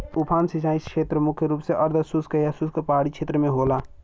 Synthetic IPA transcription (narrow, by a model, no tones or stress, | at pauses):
upʰaːnsit͡ʃaːiskʰet̪ɾəmukʰjəɾuːpseʔəɾd̪ʱəsuskəjasuskepaɽikt͡ʃʰet̪ɾəmeɦola